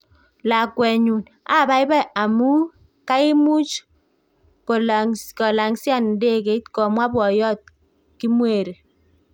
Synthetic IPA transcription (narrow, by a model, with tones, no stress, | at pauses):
la˨kwɛ˨ɲu˨n | a˦˨ba˨jbɛ˦ʔa˨mu˦ | ka˦i˦mu˦t͡ʃ | ko˨lkɔ˨la˨ŋsja˦˨n˦de˦ke˨˦tkɔ˨mwa˦bwɔ˨jɔ˦t̚ | ki˦mwe˨ɾe˨